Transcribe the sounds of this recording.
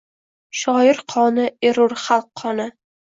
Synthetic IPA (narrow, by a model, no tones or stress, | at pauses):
ʃɒjɪɾqʰɒnɪʔeɾʊɾχalˠqʰːɒnɪ